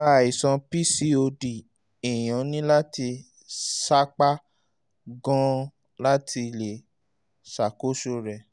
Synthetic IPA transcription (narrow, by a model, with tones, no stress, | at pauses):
a˧˨i˨sɔ̃˧pi˦si˦o˧di˨ | i˨j̃ã˨˦nĩ˦la˦ti˧ | sa˦k͡pa˦ | ɡɔ̃˦ | la˦tʰi˧˨le˨ | sa˨ko˨˦ʃo˧ɾɛ˨